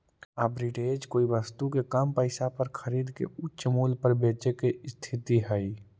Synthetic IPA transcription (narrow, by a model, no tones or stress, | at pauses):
abɾiɖeːd͡ʒkoːiʋəst̪ukekəmpəɪsapəɾkʰəɾiːd̪kḛʊt͡ʃmuːlpəɾbeːt͡ʃekest̪ʰɪt̪iɦɛi